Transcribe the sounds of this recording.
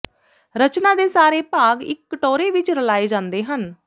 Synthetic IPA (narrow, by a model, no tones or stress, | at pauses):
ɾət͡ʃnaːd̪eːsaːɾeːpaːɡɪ̰kːʈoːɾeːʋɪt͡ʃɾəlaːeːd͡ʒãːnd̪eːɦən